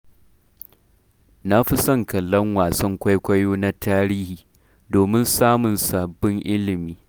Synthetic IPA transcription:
na˦ɸi˦sɐ˦˨ŋkɐ˨lːɐ˦ŋwaː˨sɐ˦ŋkʷa˦jkʷɐ˦joː˦na˦tʰaː˦ɾiː˦hiː˨ | doː˨mɪ˦nsaː˦mʊ˨nsa˨bːɪ˦ŋʔɪ˦lɪ˨miː˦

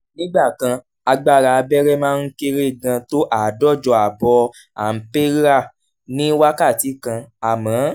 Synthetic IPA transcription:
nĩ˦ɡ͡ba˦˨kã˧ | a˧ɡ͡ba˦˨ɾa˨˧bɛ˦ɾɛ˦mãː˦˧n̩˦ke˦ɾe˦˨ɡã˧to˦ʔa˦˨dɔ˦˨d͡ʒɔ˨a˨bɔ˧ | a˨m̩˦pe˦ɾa˦˨ | nĩ˦wa˦ka˦˨ti˨˦kã˧a˨mãː˨˦

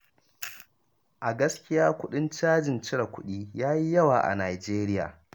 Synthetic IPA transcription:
ʔa˨ɡɐ˦skʲɪ˦jaː˦kʷʊ˦ɗɪ˦nt͡ʃaː˦d͡ʒɪ˨nt͡ʃɪ˦ɽɐ˨kʷʊ˦ɗiː˦jaː˦ji˦jɐ˦waː˨ʔa̰˨naː˨d͡ʒeː˦ɾɪ˦ja̰ː˨

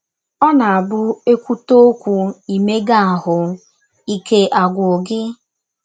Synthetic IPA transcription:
ɔ˦na˨a˨bʊ˦e˦kʷu˦to˦kʷu˨i˨me˦ɡa˦a˨ɦʊ˨ | i˦ke˦ʔa˨ɡʷʊ˨o˨ɡɪ˦

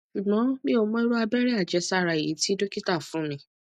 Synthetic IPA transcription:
ʃu˨ɡ͡bɔ̃˨˦mĩ˦o˧mɔ̃˦i˦ɾo˦a˧bɛ˦ɾɛ˦a˦˨d͡ʒɛ˨˦sa˦˨ɾa˧˨ḭ˨˦ti˦do˦ki˦ta˦˨fũ˨˦mĩ˧˦

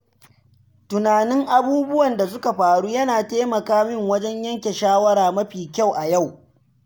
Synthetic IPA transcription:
tʊ˨naː˨nɪ˦ŋʔa˨buː˦bʊ˦wɐ˨nda˨s̬ʊ˦ka˨ɸaː˨ɽuː˦jɐ˦naː˨teː˦mɐ˨kaː˦mɪ˦˨ŋwɐ˦d͡ʒɛ˦ɲjɐ˦ŋkʲe˨ʃaː˦wɐ˦ɾaː˨mɐ˦ɸiː˨kʲa˦˨wʔa˨ja˦˨w

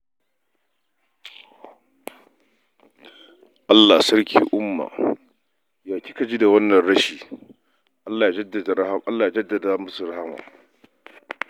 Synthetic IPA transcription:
ʔa˦lːa˨sɐ˦ɾkʲʰḭː˨ʔʊ˦mːa̰ː˨ | jaː˨kʲi˦kɐ˨d͡ʒi˦da˨wɐ˦nːɐ˨nɽɐ˦ʃiː˨ | ʔa˦lːaː˨ja˨d͡ʒɐ˦da˨da˨˦ʔa˦lːaː˨ja˨˦d͡ʒɐ˦dːɐ˨da˨mʊ˦su˨ɾa˦ha˦ma̰ː˨

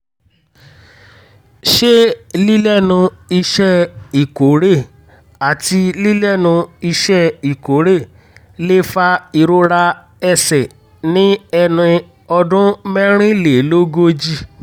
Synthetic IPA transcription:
ʃe˦li˦lɛ˦˨nũ˧i˧ʃɛ˦i˨ko˨˦ɾe˦˨ | a˨ti˧li˦lɛ˦˨nũ˧i˧ʃɛ˦i˨ko˨˦ɾe˦˨ | le˦fa˧i˧ɾo˦ɾa˧ | ɛ˧sɛ˨ | nĩ˦ɛ˧nĩ˧ | ɔ˧dũ˦mɛ˦ɾ̃ĩ˦le˨˦lo˦ɡo˦d͡ʒi˦˧

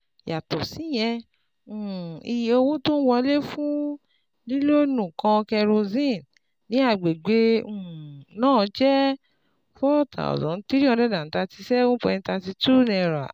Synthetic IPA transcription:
ja˨tɔ˨si˨˦j̃ɛ̃˧˦˨ | i˧jo˧wo˦to˦n̩˦wɔ˧le˦fũ˦ | li˦lo˦nũ˨kã˧kɛ˧ɾo˧zĩ˦˨n | nĩ˨˦a˧˨ɡ͡be˨ɡ͡bẽ˧˨˦ | nãː˦˨˦d͡ʒɛ˦ | fɔ˦˨ta̰˨ɔ̰˨dɔ̃˨n̩˦ti˦ɾi˦ɔ˧dɛ˦da˨n̩˦ta˧ti˧sɛ˦o˦pɔ˧nĩ˧ta˧ti˧tu˦˨nɛ̃˧˨ɾa̰˨

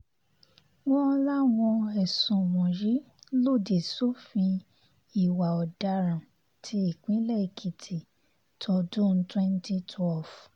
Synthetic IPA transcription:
wɔ̃˦˧la˦w̃ɔ̃˧ɛ˨sũ˨w̃ɔ̃˨ɾi˨˦ | lo˦˨de˨so˦fĩ˧ | i˨wa˨ɔ˨da˧ɾã˨ | tʰi˧˦i˦˨k͡pĩ˨˦lɛ˦˨i˨kʰi˨tʰi˨ | tʰɔ˧dũ˦n̩˦twɛ̃˦n˦ti˦tʰwɛ˦˨f

